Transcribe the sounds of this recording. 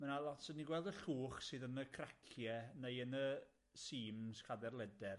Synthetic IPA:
manalˠɔtsəniɡwɛlˠdəɬuːχsɨːðənəkʰrakʰjɛnejənə | siːmskʰadɛrlˠɛdɛr

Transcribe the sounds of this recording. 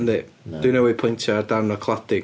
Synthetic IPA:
nðɪʔd̥ənowipʰɔ̃ɪ̃ntʰəədãʊ̃nəkʰl̥ˠaθɪ

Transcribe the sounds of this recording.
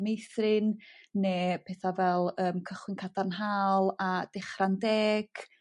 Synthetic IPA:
mejθrɪnːeːpʰɛːθavɛlˠəːmkʰəχwɪnkʰadanɦaːlˠad̥ɛχrandɛːɡ̥

